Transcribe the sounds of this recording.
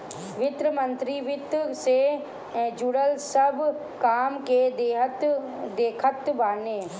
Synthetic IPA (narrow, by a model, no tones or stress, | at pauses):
ʋɪt̪ɾəmə̃nt̪ɾiʋɪt̪se | d͡ʒuɽəlsəb | kaːmked̪eɦt̪ | d̪eːkʰət̪baːneː